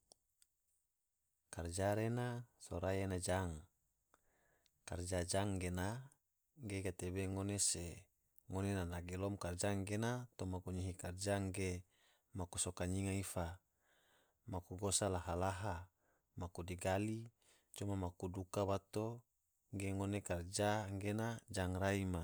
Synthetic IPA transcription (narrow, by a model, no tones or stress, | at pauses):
kard͡ʒaɾenasoɾajenad͡ʒaŋ | kard͡ʒad͡ʒaŋɡena | ɡeɡat̪ebeŋonese | ŋonenanaɡelɔmkard͡ʒaŋɡenat̪omaɡoɲiɦikard͡ʒaŋɡe | makusokaɲiŋaifa | makuɡosalaɦalaɦa | makudiɡali | t͡ʃomamakudukabat̪o | ŋɡeŋonekard͡ʒaŋɡenad͡ʒaŋraima